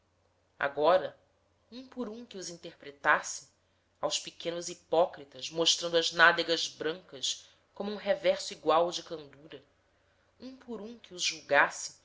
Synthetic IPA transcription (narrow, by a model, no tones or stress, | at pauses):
a̰ɡɔɾɐ | ũpʊɾũkɪʊzĩnt̪ehpɾet̪asɪ̥ | awʃspikʰẽnʊzipɔkɾit̪ɐʃmoʃt̪ɾɐ̃nd̪ʊɐznad̪eɡɐzbɾɐ̃ŋkɐs | kõmuũɦevɛɾsʊiɡwawd͡ʒɪkɐ̃nd̪uɾɐ | ũpʊɾũkɪʊzʒuwɡasɪ̥